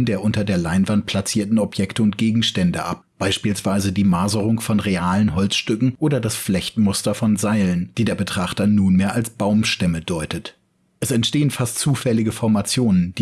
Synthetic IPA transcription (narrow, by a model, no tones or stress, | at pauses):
ndeːɐʔʊntɐdeːɐlaɪnvant̚pʰl̥at͡siːɐtn̩ɔpjɛktəʊnt̚ɡ̥eːɡŋ̩ʃtɛndəʔa̰p̚b̥aɪʃpiːlsv̥aɪzədiːmaːzəʁʊŋfɔnʁeaːlənɦɔlt͡sʃtʏkŋ̩ʔoːdɐdasflɛçtmʊstɐfɔnzaɪlənd̥iːdeːɐbətʁ̥aχtɐnuːnmeːɐʔalsb̥aʊmʃtɛmədɔʏtət | ʔɛsɛntʃteːənfastt͡suːfɛlɪɡəfɔɐmat͡sjoːnənd̥iː